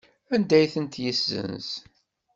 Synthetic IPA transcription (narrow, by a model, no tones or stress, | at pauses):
ænd̪æjθənt̪jisːə̰ns